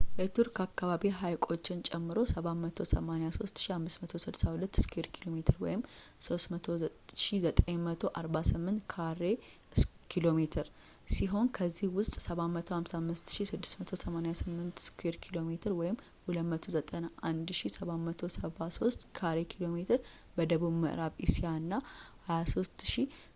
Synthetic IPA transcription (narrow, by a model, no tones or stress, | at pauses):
jɛt̪ʰuɾkakːaβaβiɦajkʼo̞t͡ʃːɪnt͡ʃʼɛmːɨɾo̞səβamət̪ʰo̞səmanejaso̞st̪ʃihamːɨsmət̪ʰo̞sɨd̪sahulət̪ːskʰeɾkʰilo̞met̪ʰɨɾwɔ̰jɪmso̞st̪mət̪ʰo̞ʃizət̪ʼeɲmət̪ʰo̞ʔaɾbasɨmːɨnt̪kʰaɾe | kʰilo̞met̪ʰɨɾ | siɦo̞nkʰəzːihwʊst̪ʼsəβamːət̪ʰo̞hamsamːɨst̪ʃisɨd̪ːɨ̥smət̪ʰo̞səmanjasɨmːɨnt̪skʰweɾkʰilo̞met̪ʰɨɾwɔjɪmː | hulət̪mət̪ʰozət̪ʼənaʔand̪ʃisəβamːət̪ʰo̞səβaso̞st̪kʰaɾe̞kʰilo̞me̞t̪ʰɨɾ | bəd̪əβuβmɨ̰ʔɾaβɪ̰sijaɨnːahajaso̞st̪ʃi